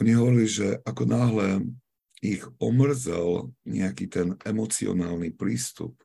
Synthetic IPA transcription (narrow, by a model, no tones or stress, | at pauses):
ɔɲiɦɔʋɔɾiliʒɛʔakɔnaːɦlɛ | iɣɔmr̩d͡zɛlɲɛakit̪ɛnɛmɔt͡siɔ̰naːlnipɾiːst̪ṵp̚